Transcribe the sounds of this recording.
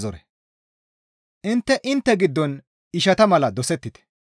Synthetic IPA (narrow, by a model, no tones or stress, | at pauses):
zɔɾɛ | ʔɪnt̪ːɛʔɪnt̪ːɛɡɪd̪ːɔn | ɪʃɐt̪ɐmɐlɐd̪ɔsɛt̪ːɪt̪ɛ̥